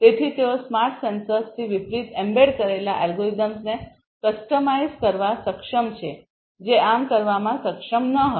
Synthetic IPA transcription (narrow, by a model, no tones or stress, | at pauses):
t̪et̪ʰit̪eosmaɾʈsənsəst̪ʰiʋipɾit̪ɛmbeɽkəɾelaʔɛlɡoizəmsne | kəsʈəmaiskəɾʋasəkʂəmt͡ʃʰe | d͡ʒeamkəɾʋamãsəkʂəmnəɦə